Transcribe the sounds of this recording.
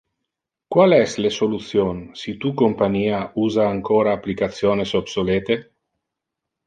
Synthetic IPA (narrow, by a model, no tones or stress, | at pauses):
kwalɛslesolut̪sjonsit̪ukompaniːauːzaːŋkoːɾaːplikat̪sjoːnesobsoleːt̪e